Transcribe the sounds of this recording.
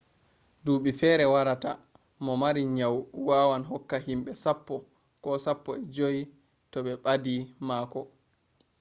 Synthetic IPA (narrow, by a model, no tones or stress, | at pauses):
duːɓifɛːɾɛwaɾata̰ | mɔmaɾiɲawwaːwanɦɔkːaɦimɓɛsapːɔ | kɔsapːɔɛd͡ʒoji | tɔɓɛɓadimaːkɔ